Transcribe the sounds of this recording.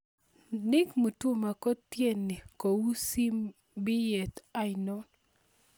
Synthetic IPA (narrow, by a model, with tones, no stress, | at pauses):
nɪ˦kmu˨tu˦ma˨ko˦tje˦˨nːi˨ko˨wu˦si˦m | bɪ˦je˨ta˦ɪnɔ˦n